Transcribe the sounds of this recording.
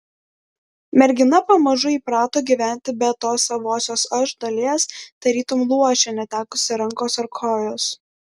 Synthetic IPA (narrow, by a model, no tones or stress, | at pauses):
mʲɛɾʲɡʲɪnɐpɐmɐʒʊiːpɾɑːt̪oːɡʲiʋʲæˑnʲˑt̪ʲɪbʲɛt̪oːsɐʋoːsʲoːsɐʒd̪ɐlʲiɛsd̪̥ɐɾʲiːt̪ʊmlˠuɔʃʲɛnʲɛt̪ʲæːkʊsʲɪɾɐŋkoːsɐɾkʰoːjoːs